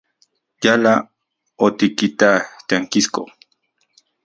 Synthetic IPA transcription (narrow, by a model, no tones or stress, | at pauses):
jala | ot̪ikit̪at̪aŋkisko̰